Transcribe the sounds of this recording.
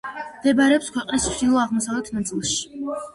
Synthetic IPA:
md̪ɛbaɾɛɔpskʰwɛqʼnist͡ʃʰd̪ilˠɔaʁmɔsavlɛt̪ʰnat̪sʼilˠʃi̥

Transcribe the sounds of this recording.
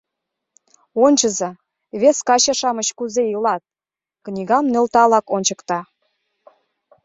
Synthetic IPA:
onʲt͡ɕəzɑ | βeskɑɕɑʃɑməɕkuzeilɑt̪̚ | knʲiɣɑmnølt̪ɑlɑkonʲt͡ɕəkt̪ɑ

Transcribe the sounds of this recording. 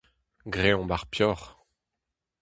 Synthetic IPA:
ɡʁeɔ̃baʁpjɔʁ

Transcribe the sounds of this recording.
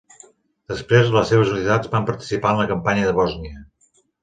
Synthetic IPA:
d̪̥əspɾezðələsːeβ̞əzunit̪ad͡zbampəɾt̪i̥sipaənləkəmpaɲəðəβɔzniə

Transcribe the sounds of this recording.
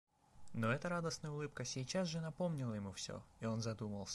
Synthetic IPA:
noɛt̪əɾad̪əsnəjʊlˠɨpkəsʲɪːt͡ɕazʐɨnɐpo̞mnʲɪlˠəjɪmufsʲo̰io̞nzɐd̪uməlˠsʲ

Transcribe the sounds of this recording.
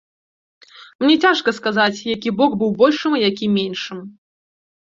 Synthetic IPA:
mnʲɛt͡sʲaʂkɐskazat͡sʲjakʲibɔkbɨwbɔlʲʂɨmijakʲimʲenʲʂɨm

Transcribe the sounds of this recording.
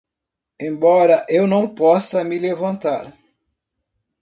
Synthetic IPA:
ẽbɔɾɐʔewnɐ̃w̃pɔsɐmɪlevɐ̃nt̪aɾ

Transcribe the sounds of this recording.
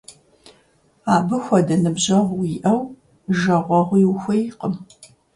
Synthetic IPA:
aːbɨxʷɔdɐnɨbʑɐʁʷwiːʔɐw | ʒɐʁʷɔʁʷiwxʷɐjqəm

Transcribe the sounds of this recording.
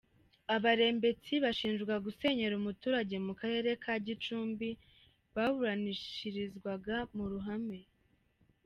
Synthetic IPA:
aβaɾe̞ːmbe̞t͡siβaʃiːnʒɡwaɡuse̞ɲe̞ɾumutuːɾaɟe̞mukaɾe̞ɾe̞kʰaɟit͡ʃuːmbi | βaβuɾaniʃiɾizɡwaɡamuɾuɦame̞

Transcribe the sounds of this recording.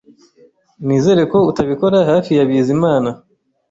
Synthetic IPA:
niːze̞ːɾe̞ko̞utaβiko̞ɾahaːfijaβiːzimaːna

